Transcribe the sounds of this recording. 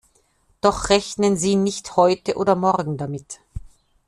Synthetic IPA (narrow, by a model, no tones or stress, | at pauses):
d̥ɔχʁ̥ɛçnənziːnɪçthɔʏtəʔoːdɐmɔʁɡŋ̩damɪt